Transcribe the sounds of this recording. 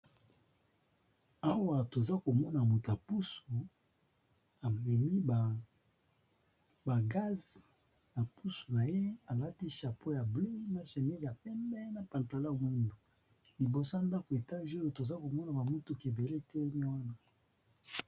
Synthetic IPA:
a˦wa˨to˨za˦ko˨mɔ˦na˨mo˨ta˨pu˦so˨ | a˨mɛ˨mi˦ba˨ | ba˨ɡa˦z | ja˨pu˦so˨na˨je˦a˨la˦ti˦ʃa˨po˦ja˨ble˦na˨ʃe˨mi˦zja˨pɛ˦mbɛ˦na˨pa˨nta˨la˦˨mu˦ndu˨ | li˨bo˨so˦a˨nda˦ko˨e˨ta˦ʒo˦jo˨to˨za˦ko˨mɔ˦na˨ba˨mu˦tu˨ke˨be˨le˦tɛ˦ni˦wa˦na˦

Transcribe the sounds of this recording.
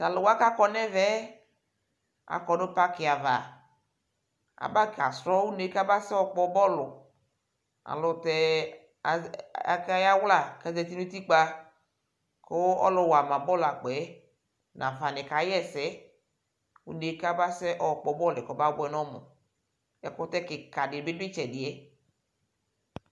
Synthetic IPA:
ta˨lʊ˨wa˦ka˦kɔ˦nɛ˦vɛ˦ | a̰˨kɔ˨no˦pa˦kɪ˨a˨va˨ | a̰˨ba˦ka̰˨sɾɔ˦wu˦ne˨˦ka˦ba˦sɛ˦ɔ˦k͡pɔ˦bɔ˦lʊ˨ | a̰˨lʊ˨tɛ˨ | a̰˨ka˦ja˦wla˨ka˦˨zɛ˨ti˦nu˦t̪i˦k͡pa˦ | ko˦ɔ̰˦lɔ˨wa˨mã˨bɔ˦la˨k͡pɛ˨˦ | nʔã˨va˨nɪ̃˨ka˨jɛ˦˨sɛ˦ | wṵ˦ne˨˦ka˦ba˦sɛ˦ʔɔ˨k͡pɔ˨bɔ˦lɪ˨kɔ˨˦ba˦bɛ˦nɔ̃˦mʊ̰˨ | ɛ˦kʊ˦t̪ɛ˦kɪ˨ka˨dɪ˨bɪ˦dɪ˦t͡ʃɛ˨dɪ˨ɛ˦

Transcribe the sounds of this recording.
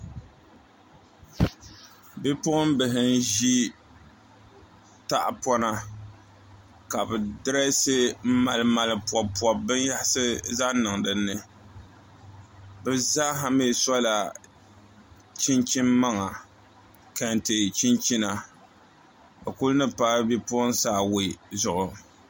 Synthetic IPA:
bɪ˦pʊ˦ʔʊ˦m˦bɨ˨ɦɪ˨n˦ʒi˦ | ta˦ʔpɔ˦na˦ | ka˨bɨ˨dɨ˦ɾa˦sɨ˦m̩˦ma˨lɨ˨ma˨lɨ˨pɔ˨pwɔ˨bɨ˦n˦ja˦ha˦sɨ˦za˦nɨ˨ŋdɨ˨nːɨ˨ | bɨ˨za˦ɦa˦mi˦˨sɔ˦la˨ | t͡ʃi˦nt͡ʃi˦mːa˦ŋa˨ | ka˨ntɨ˨t͡ʃi˦nt͡ʃi˦na˨ | ba˨ku˦lnɨ˦paː˦bi˦pʊ˦nsaː˦wi˨zʊ˨ʔʊ˨

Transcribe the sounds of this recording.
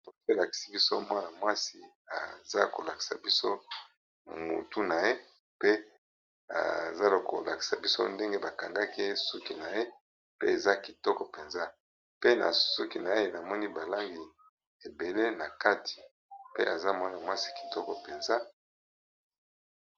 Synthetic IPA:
o˨se˨la˨ki̥˨si˦bi˦so˦mwa˦na˨mwa˦si˨ | a̰˨za˦ko˨la˨ki̥˨sa̰˨bi˦so˦˨ | mu˨tu˦na˨je˦ | pe˦ | a̰˨za˦lko˨la˨ki̥˨sa˨bi˦so˦nde˦ŋɡe˦ba˨ka˨ŋɡa˦ke˦su˦ki˨na˨je˦ | pḛ˦e˨za˦ki˨tɔ˦kɔ˨pe˨nza˦ | pe˦na̰˨su˦ki˨na˨˦e˦na˨mɔ˦ni˦ba˨la˦ŋɡi˨ | e˨be˨le˦na˨ka˦tʰi̥˨ | pe˦a˨za˦mwa˦na˨mwa˦si̥˦ki̥˨tɔ˦kɔ˨pe˨nza˦

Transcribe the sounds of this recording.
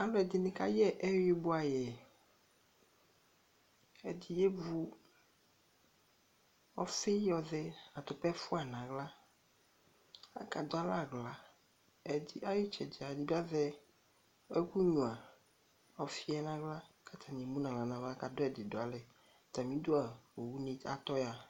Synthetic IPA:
a˨lɔ˦ɛ˨d̪ɪ˨nɪ̃˨ka̰˦jɛ˦ʔɛ˦wi˦bʊ˦a˨jɛ˨ | ɛ˨d̪i˨je˦vu˦ | ɔ˨fɪ˦jɔ˨zɛ˦a˨t̪ʊ˨pɛ˦fu˦a˨nã˨ɣla˦ | a˨ka˨d̪o˦a˦la˦˨ɡla˦ | ɛ˨di˦a˦jo˦t͡ʃɛ̰˨d͡ʒi˨a˨di˦bi˦a˦zɛ˦ | ɛ˦ku˦ɲũ˨a˨ | ɔ˨fi˦ɛ˨˦nã˨ɡla˦ | kʰa˦t̪ʰa˨ɲɛ̃˨mũ˦nã˨la˨nã˨vɛ˦a˦ka˨do˦ɛ˨de˨do˨a˨lɛ˨ | t̪a˨mĩ˦d̪o˦a˨o˨wu˦nĩ˦a˨t̪ɔ˦ja˨

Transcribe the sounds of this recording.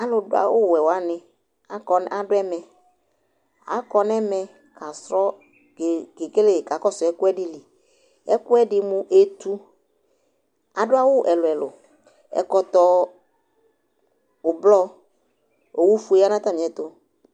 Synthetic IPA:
a˦lʊ˨dʊ˦a̰˨wʊ˦˨ɛ˨wa˦nɪ˨ | a˨kɔ˨n˦ʔa˨dʊ˦ɛ˦mɛ˨ | a̰˨˦kɔ˨n˦ɛ˦mɛ˦ | kʰa˨sɾɔ˦˨ | ke˨ke˦le˦˨ka˨kɔ˦sʊ˨ɛ˦kʊ˦ɛ˦dɪ˦li˨ | ɛ˦kʊ˦ɛ˦dɪ˨mʊ̃˦ʔe˨˦t̪u˦ | a˨dʊ˦a˦wʊ˦˨ʔɛ˨lʊ˨ɛ˨lʊ̰˨ | ɛ̰˨kɔ˨t̪ɔ˦ | ʊ˨blɔ˦ | o˨wu˦fu˨e˦a˦nã˦t̪a˦˨m˨ɛ˨t̪ʊ˦

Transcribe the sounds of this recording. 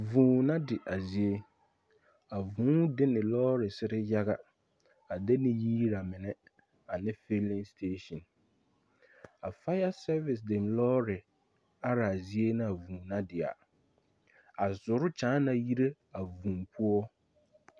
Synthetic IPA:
vũː˨nã˦dɪ˨ʔa˨zi˦e˦ | a˨vũ˨˦dɪ˦nɪ˨lɔː˦ɾɪ˨sɪ˦ɾɪ˦ja˦ɣa˦ | a˨dɛ˦nɪ̃˦jiː˦ɾa˨mɪ̃˨nɛ˦ | a˨nɪ̃˦fe˦lĩ˦nstʰeː˦ʃɔ̃˨n | a˨fa˦ja˦sɛ˦vɪ˨s̬dɪ˨mlɔː˦ɾɪ˨ | a˦ɾa˨a˨zi˦e˦nɪ̃˦a˨vũː˨nã˦dɪ˨a̰˨ | a˨zʊ˨ɾʊ˦t͡ʃãː˨˦na˨ji˦ɾe˦ | a˨vũ˨mpʰu˦ɔ˦

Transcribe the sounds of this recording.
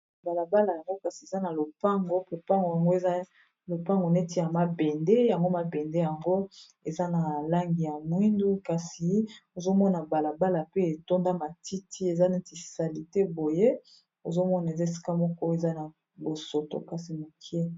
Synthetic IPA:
ba˨la˨ba˦la˨ja˨ŋɡo˦ka˨si˨e˨za˦na˨lo˨pa˦ŋɡo˦pe˦pa˦ŋɡo˨ja˨ŋɡo˦e˨za˦ | lo˨pa˦ŋɡo˨ne˦ti˨ja˨ma˨bɛ˨nde˦ja˨ŋɡo˦ma˨bɛ˨nde˦ja˨ŋɡo˦ | e˨za˦na˨la˦ŋɡi˨ja˨mwi˦ndu˦ka˨si˨o˨zo˦mɔ˦na˨ba˨la˨ba˦la˨pe˦e˨to˦nda˦ma˨ti˦ti˦e˨za˦nɛ˦ti˨sa˨li˨te˦bo˨je˦ | o˨zo˦mɔ˦na˨e˨za˦e˨si̥˦ka˦mɔ˦kɔ˦e˨za˦na˨ | bo˨so˨to̰˨ka˨si˨mo˨kʰi˦e˦

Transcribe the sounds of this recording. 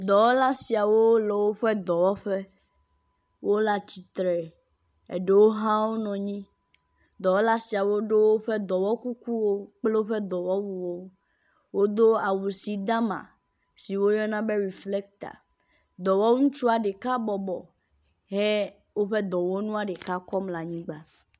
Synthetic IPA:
d̪ɔ˨wɔ˦la˦si˨a˨wo˦wo˦lɔ˨wo˦ɸe˦d̪ɔ˨wɔ˦ɸe˦ | wʔo˦la˦t͡ɕi˨t̪ɾɛ˨ | ḛ˨ɖe˦wo˦ɦã˦wo˦nɔ̃˨ɲĩ˦ | d̪ɔ˨wɔ˦la˦si˨a˨wo˦ɖe˦wo˦ɸe˦d̪ɔ˨wɔ˦ku˦ku˦wo˦k͡ple˦wo˦ɸe˦d̪ɔ˨wɔ˦wu˨wo˦ | wo˦d̪o˦a˨wu˨si˨d̪a˦mã̰˨ | si˨wo˦jɔ˦nã˦be˦ɾi˨fle˦k̚t̪a̰˨ | d̪ɔ˨wɔ˦ŋũ˦t͡ʃu˦a˨ɖe˨ka˦bɔ˨bɔ̰˨ | ɦe˦ | wo˦ɸe˦d̪ɔ˨wɔ˦nũ˦a˨ɖe˨ka˦kɔ˦mla˨ɲĩ˦ɡ͡ba˦

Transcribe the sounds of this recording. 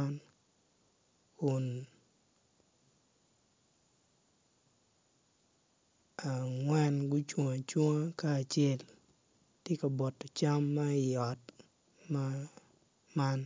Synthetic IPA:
n | kʊ˨n | a˨ŋwɛ˦nɡʊ˦t͡ʃwo˨ŋa˨t͡ʃwo˦ŋa˦kaː˦˨t͡ʃe˦l | tje˦ka˨bɔ˨tːɔ˨t͡ʃa˦mːɐ˦ɪ˨jɔ˨t | ma˦ | ma˦n

